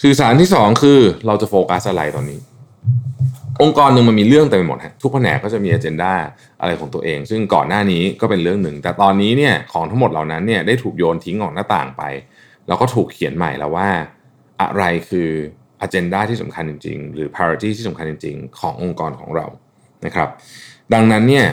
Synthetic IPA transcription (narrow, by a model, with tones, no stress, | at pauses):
sɯː˨˩saː˩˦nt̪ʰiː˥˩sɔː˩˦ŋkʰɯː˧ɾa˧wt͡ɕa˨˩foː˧ka˦˥sʔa˧ɾa˧jt̪ɔː˧nːiː˦˥ | ʔo˧ŋkɔː˧nːɯ˧ŋma˧nmiː˧lɯ˥˩əŋt̪ɛː˨˩pe˧mo˨˩t̪̚ha˦˥t̪ʰu˦˥k̚pʰa˧nɛ̰ː˨˦kɔː˥˩t͡ɕa˨˩miː˧ʔaː˧t͡ɕe˧ndaː˥˩ | ʔa̰˧ɾa˧jkʰɔː˩˦ŋt̪u˧ɐʔeː˧ŋsɯ˥˩ŋkɔː˨˩nːaː˥˩niː˦˥kɔː˥˩pe˧nlɾɯ˥˩əŋnɯ˨˩ŋt̪ɛː˨˩t̪ɔː˧nːiː˦˥ni˥˩ɐkʰɔː˩˦ŋt̪ʰa˦˥ŋmo˨˩t̪̚laː˨˩wna˦˥nːi˥˩ɐda˥˩jt̪ʰuː˨˩k̚joː˧nt̪ʰi˦˥ŋʔɔː˨˩k̚naː˥˩t̪a̰ː˨˩ŋpa̰˧j | lɛ˦˥wkɔː˥˩t̪ʰuː˨˩kʰːi˨˩˦ənma̰˨˩jlɛ̰˦˥waː˥˩ | ʔa̰˨˩ɾa˧jkʰɯː˧ | ʔaː˧t͡ɕe˧ndaː˥˩t̪ʰiː˥˩sa˩˦mkʰa˧nt͡ɕi˧ŋt͡ɕḭ˧ŋɾɯː˩˦pʰaː˧ɾa˧t̪iː˥˩t̪ʰiː˥˩a˩˦mkʰnt͡ɕi˧ŋt͡ɕḭ˧ŋkʰɔː˩˦ŋʔo˧ŋkɔː˧nkʰɔ̰ː˩˦ŋɾa̰˧w | na˦˥kʰɾa˦˥p̚da˧ŋna˦˥nːi˥˩ɐ